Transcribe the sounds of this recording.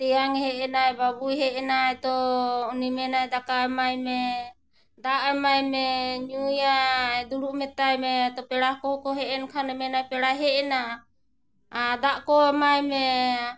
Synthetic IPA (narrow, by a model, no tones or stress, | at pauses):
t̪ɛjaŋɦɛʔɛnajbabujɦɛʔɛnajt̪ɔunimɛnajd̪akaɛmajmɛ | d̪aʔɛmajmɛɲujad̪uɽuʔmɛt̪ajmɛt̪ɔpɛɽahkɔkɔɦɛʔɛnkʰanɛmɛnajpɛɽajɦɛʔɛna | ad̪aʔkɔɛmajmɛ